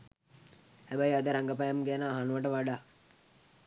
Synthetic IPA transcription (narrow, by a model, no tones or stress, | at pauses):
hæbæjad̪əɾaŋɡəp̬ajamɡænaːɦanʋəʈəʋaɖaː